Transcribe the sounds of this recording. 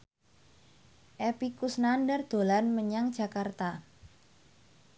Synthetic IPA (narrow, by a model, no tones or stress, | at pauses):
ʔepikusnandərd̪̥o̤lanməɲaŋd̥d͡ʒ̥a̤kart̪a